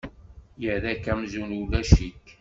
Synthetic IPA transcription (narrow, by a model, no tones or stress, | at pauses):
jəðækːæmzunulæʃik